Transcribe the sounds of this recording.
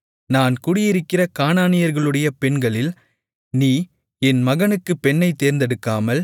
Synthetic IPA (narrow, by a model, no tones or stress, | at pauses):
naːnkʊɽɪjɪɾɯkːɪrɐkaːnaːnɪjɐɾɣɐɭɯɽɐjɐpɛɳɡɐɭɪl | niː | ɛnmɐɣɐnɯkːɯpːɛɳːɐɪt̪ːeːɾnd̪ɛɽɯkːaːmɐl